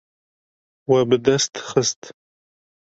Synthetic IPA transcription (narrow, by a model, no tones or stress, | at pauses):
wɐbɨd̪ɐst̪ʰχəstʰ